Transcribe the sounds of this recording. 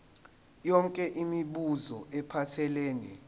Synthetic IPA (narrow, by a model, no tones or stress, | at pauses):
jɔŋkʼɛʔimiɓuzɔʔɛpʰatʰɛleːnḭ